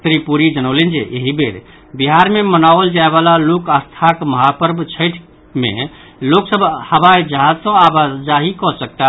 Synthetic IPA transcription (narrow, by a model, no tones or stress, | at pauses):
t̪ɾipuɾid͡ʒənəʊlend͡ʒḛʔeɦibeɾ | biɦaɾmemənaold͡ʒaebalalokəst̪ʰakməɦapəɾbt͡ʃʰəɪʈʰ | mḛ | loksəbʱhəβajd͡ʒəɦad͡ʒsə̃abad͡ʒaɦikɔsək̚t̪a